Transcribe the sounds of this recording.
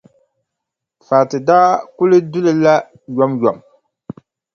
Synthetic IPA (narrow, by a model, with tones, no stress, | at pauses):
faː˨tɨ˨daː˦kʊ˦lɨ˦dʊ˦lɨ˦la˦ | jɔ˦mjɔ˨m